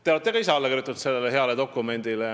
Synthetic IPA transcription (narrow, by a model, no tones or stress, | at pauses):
t̪eoɑt̪ˑːeɡɑis̬eɑlːekiɾjut̪ːˑut̪se̞lːe̞leɦe̞ɑled̪o̞kːˑume̞nʲd̪̥ile